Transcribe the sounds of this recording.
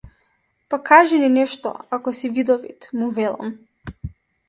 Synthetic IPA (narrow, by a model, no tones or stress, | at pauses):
pakʰaʒɛninɛʃt̪ɔ̰akɔsivid̪ɔvḭt̪muvɛlˠa̰m